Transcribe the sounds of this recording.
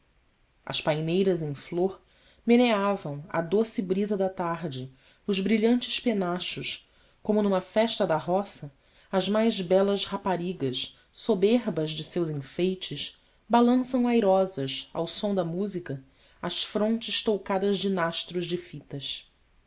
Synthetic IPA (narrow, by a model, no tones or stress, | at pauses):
ɐ̰ʃpajnejɾɐzẽj̃floɾ | meneavɐ̃w̃ɐ̰d̪osɪbɾizɐd̪ɐt̪aɾd͡ʒɪ | ʊʒbɾiʎɐ̃nt͡ʃɪ̥ʃpenaʃʊʃ | kõmʊnũmɐfɛʃt̪ɐd̪ɐɦɔsɐ | ɐzmajzbɛlɐʃhapaɾiɡɐʃ | sobeɾbɐzd͡ʒɪsewzĩfejt͡ʃɪʃ | balɐ̃sɐ̃w̃ajɾɔzɐʃa̰wsõd̪ɐmuzikɐ | ɐʃfɾõnt͡ʃɪʃt̪owkad̪ɐzd͡ʒɪnaʃt̪ɾʊzd͡ʒɪfit̪ɐʃ